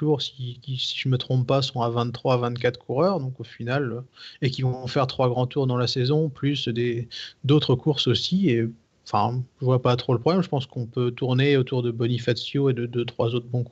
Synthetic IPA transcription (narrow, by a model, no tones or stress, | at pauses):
uʁsi̥kʲisi̥ʒəmət̪χɔ̃ppasɔ̃avɛ̃t̪ːχwavɛ̃t̪kʲat̪χə̥kʰuʁœʁd̪ɔ̃kofinaløek̬ʲivɔ̃fɛʁt̪χwaɡʁɑ̃t̪uʁd̪ɑ̃lasɛzɔ̃plysd̪ed̪ot̪χəkuʁsosie | ɑ̃fɛ̰̃ʒəvwapat̪χoləpχɔblɛmʒəpɑ̃skɔ̃pøt̪uʁneot̪uʁd̪əbɔnifat̪sjoed̪əd̪øt̪χwazot̪χbɔ̃kuʁ